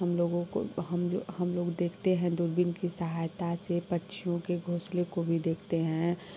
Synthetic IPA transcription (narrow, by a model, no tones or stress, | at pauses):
ɦəmloːɡõo̰ɦəmɦəmloːɡd̪eːkʰt̪eɦɛ̃d̪ʊɾbɪnkisəɦajt̪asepətːʃʰijõkeɡʱoːslekobʱid̪eːkʰt̪eɦɛ̃